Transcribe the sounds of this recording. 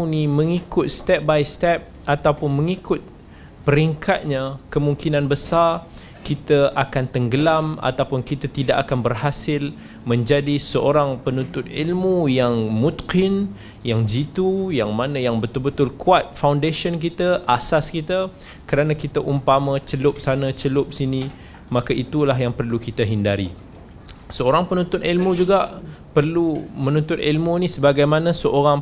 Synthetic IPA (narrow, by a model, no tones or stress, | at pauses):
wniməŋikʊt̪̚st̪ɛp̚bajst̪ɛp̚ʔat̪awpʊnmə̃ŋikʊt̪̚ | pəɾiŋkʰat̪̚ɲãkəmuŋkinãnbəsar | kit̪əʔakant̪əŋɡəlama̰t̪awpʊnkit̪at̪idaʔakanbərɦasɪl | mə̃ɲd͡ʒadisəoɾaŋpənunt̪ʊt̪̚ilmujaŋmut̪qɪn | jaŋd͡ʒit̪ujaŋmanãjaŋbət̪ʊlbət̪ʊlkuat̪̚fawndeʃənk̬it̪aʔasaskit̪a | kəɾanakit̪aʔumpamat͡ʃəlʊp̚sanat͡ʃəlʊp̚sinĩ | makaʔit̪ulaɦjaŋpərlukit̪aɦindaɾḭ | səoɾaŋpənũnt̪ʊt̪ilmud͡ʒuɡaʔ | pərlumə̃nũnt̪ʊt̪̚ḭlmunĩsəbaɡajmanasəʔoɾaŋ